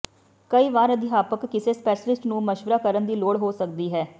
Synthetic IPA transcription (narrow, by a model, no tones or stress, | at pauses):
kəiːʋaːɾəd̪ɪɦaːpəkːɪseːspɛːʃəlɪsʈnũːməʃʋəɾaːkəɾənd̪iːloːɽɦoːsəkd̪iːɦɛː